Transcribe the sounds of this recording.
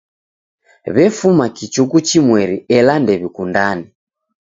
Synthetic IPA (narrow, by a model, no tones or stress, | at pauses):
βɛfumakit͡ʃukut͡ʃimwɛɾiɛlandɛβikundani